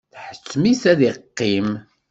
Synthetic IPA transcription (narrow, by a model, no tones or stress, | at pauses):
θħə̥t͡sːmisæðiqːim